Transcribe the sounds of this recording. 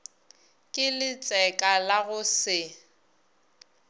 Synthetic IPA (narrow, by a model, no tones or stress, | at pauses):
kʼɪlɪt͡sʼɛkʼalaɣʊsɪ